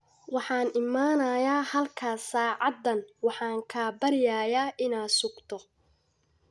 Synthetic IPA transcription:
wɑħɑːnɪmaːnɐjaːhɐlkʰaːsaːʕɑd̪ːɐnwɑħɑːŋkʰaːbɐɾɪjaːjaːʔɪnaːsʊɡt̪ʰɔ

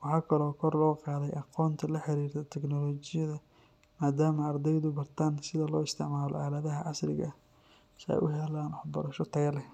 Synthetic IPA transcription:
wɑħɑːkʰɐlɔːkʰɔrlɔːqɑːðɛjʔɑqɔːnt̪ʰɐlɐħɪɾiːrt̪ʰɛt̪ʰɛknɔlɔːt͡ʃɪjɐðɐ | maːd̪aːmɐːrd̪ɛjðʊbɐrt̪ʰaːnsɪðɐlɔːɪst̪ʰɪʕmaːlɔ̰ʔaːlɐðɐɦɐʔɑslɪɣɐ̰ | sɛ̰jʔʊɦɛlaːnħbɐɾɐʃɔt̪ʰɐɣɐlɛh

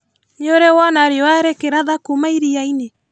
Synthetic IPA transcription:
ɲoɾɛwanaɾeowaɛɾɛkeɾaðakumaiɾiaine

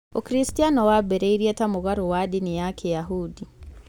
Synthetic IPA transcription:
ukɾistijanɔwabɛɾɛiɾiɛtamʊɣaɾowadinɪjakʰɛjaɦudi

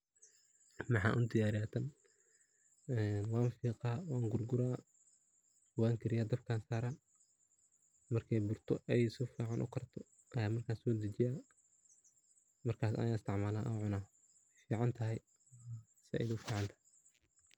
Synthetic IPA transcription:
mɑħɑ̰ːʔʊnd̪ɪjaːɾɪjaːt̪ʰɐn | ɛːnwɑːnfiːqaːwɑːŋɡʊrɡʊɾaː | waːŋkʰɐɾɪjaːd̪ɐbkʰaːnsaːɾaː | mɐrkʰɛjbʊrt̪ʰɔʔɛjsʊfiːʕɑnʔʊ̰kʰɐrt̪ʰɔ | ʔɐjaːmɐrkʰaːnsɔːd̪ɐt͡ʃɪjaː | mɐrkʰaːsɐ̰jaːɪst̪ʰɪʕmaːlaːʔa̰ʕʊnaː | fiːʕɑnt̪ʰɐɦɛj | sɪɛ̰jd̪ʊfiːʕɑnt̪ʰɐ̥hɛ

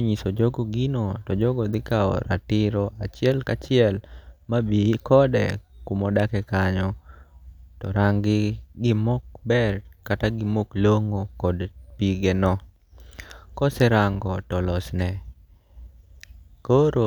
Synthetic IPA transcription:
ɲisod͡ʒoɡɔɡinotɔd͡ʒɔɡɔd̪ɪkaɔ̰ɾa̰tɪɾɔat͡ʃɪɛlkat͡ʃɪɛlmabikɔdɛ̰kumɔdakɛkaɲɔ | tɔɾaŋɡɪɡɪmɔk̚bɛrkataɡɪmokloŋokɔdpiɡɛnɔ | kɔsɛɾaŋɡɔtɔlɔsnɛ | koɾo

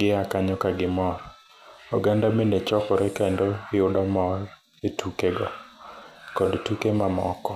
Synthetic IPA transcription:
ɡɪakaɲɔkaɡɪmɔr | ɔɡandamendet͡ʃɔkɔɾɛkaendoɪʊdɔmɔr | etʰukeɡɔ | kɔdtukemamɔ̰kɔ

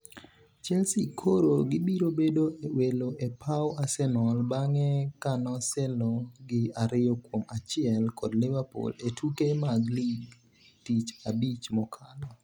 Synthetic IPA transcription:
t͡ʃɛlsikʰoɾoɡɪbiɾobedoeweloʔepʰawasɛnɔlbaŋɛkanɔsɛlɔɡɪaɾɪjɔkwomat͡ʃɪɛlkɔdlɪvapṵletʰukemaɡliɡ | tit͡ʃabit͡ʃmɔkʰalɔ

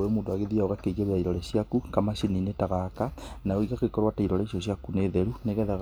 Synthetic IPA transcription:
wemuːndoaɣeðiaoɣakeiɣeɾejaiɾɔleɕjakukamaʃininetaɣakanaoiɣakekɔɾwataiɾɔleʃjoɕ̬jakuneːðeɾuneɣɛðaɣ

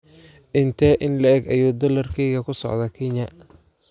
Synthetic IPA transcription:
ʔɪnt̪ʰɛːʔɪnlɐɛɡɐjuːd̪ɔlɐrkʰɛjɣɐkʰʊsɔ̰ʕd̪ɐkʰɛɲɐ

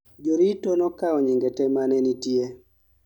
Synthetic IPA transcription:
d͡ʒoɾitɔnɔkaɔɲiŋɡɛtɛmanɛnitje

